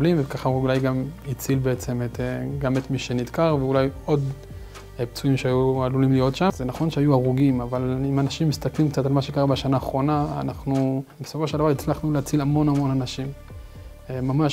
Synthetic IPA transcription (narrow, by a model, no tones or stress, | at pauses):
limvekaχaulajɡamit͡silbeet͡se̞meteɡamet̪miʃe̞nid̪kaʁveulajo̞d̪ | pt͡suimʃeajualulimlijo̞tʃazenaχo̞nʃeajuaʁuɡimavalimanaʃimːist̪aklimkt͡sat̪almaʃekaʁabaʃanaːχʁo̞na̰ːnaχnubeso̞fo̞ʃeld̪avaʁit͡slaχnuleat͡silamo̞namo̞nanaʃim | mamaʃ